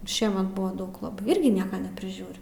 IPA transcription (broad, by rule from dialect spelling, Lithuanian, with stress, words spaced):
ˈʃʲiɛmʲɛt ˈbʊʋɐ ˈdɐʊk lˠɐˈbɐɪ ˈɪrʲɡʲɪ ˈnʲiɛkɐ nʲɛpʲrʲɪˈʒʲuːrʲʊ